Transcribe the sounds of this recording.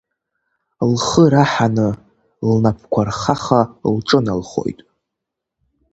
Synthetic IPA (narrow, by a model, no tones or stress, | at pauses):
lχəɾaħanɨ | lnapʰkʷʰarχaχalʈ͡ʂʼɨnalχo̞̰jtʼ